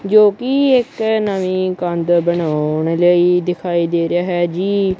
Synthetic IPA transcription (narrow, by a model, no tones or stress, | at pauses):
d͡ʒoːkɪɪknamĩːkə̃nd̪bənaːʊɳləiːd̪ɪkʰaːiːd̪eːɾɪjaːɦɛːd͡ʒiː